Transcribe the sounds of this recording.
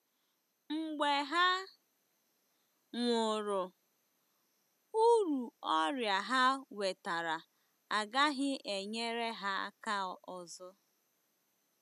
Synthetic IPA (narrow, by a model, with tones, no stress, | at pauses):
ŋ͡m̩˨ɡ͡be˨ɦa˦ | ŋʷʊ˨ɾʊ˨ | u˦ɾu˨ɔ˦ɾja˨ɦa˦we˨ta˨ɾa˨ | a˨ɡa˦ɦɪ˦ʔe˨ɲe˦ɾe˦ɦa˦a˦ka˦˨ɔ˨zʊ˦